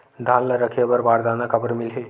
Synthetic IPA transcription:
d̪ʱaːnləɾəkʰebəɾbaɾd̪anakʰəbəɾmɪlɦe

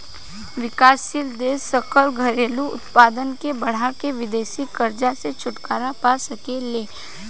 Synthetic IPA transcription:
ʋɪkaːsʃild̪eːsəkəlɡʱɐɾeːluʊ̰t̪paːd̪ənkebɐɽ̤akeʋɪd̪eːʃikəɾd͡ʒaset͡ʃʰʊʈkaːɾapaːsɐkeleː

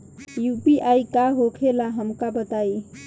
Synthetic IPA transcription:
jupiʔaikaɦokʰelaɦəmkabət̪ai

